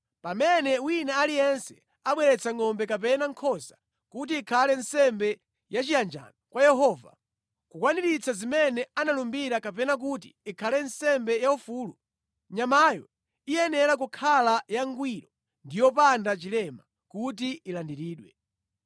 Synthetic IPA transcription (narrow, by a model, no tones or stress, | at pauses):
pamɛnɛwinaːlijɛnsɛ̥ | aɓwɛɾɛt͡sʰaŋɔmbɛkap̬ɛnaŋkʰɔsḁ | kut̬iːkʰalɛnsɛmbɛ | jat͡ʃijand͡ʒa̰nɔkwajɛɦɔva̰ | kukwaniɾit͡sazimɛnɛanalumbiɾakap̬ɛnak̬utḭːkʰalɛnsɛmbɛjaufuːlu | ɲamajɔ̰ | ijɛnɛɾak̬ukʰalajaŋɡwiɾɔ | ndijɔpandat͡ʃilɛma | kut̬iilandiɾiːɗwɛ